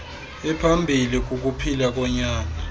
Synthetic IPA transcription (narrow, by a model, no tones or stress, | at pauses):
ɛpʰambʱilik̬ʼuk̬ʼupʰilak̬ʼɔɲaːna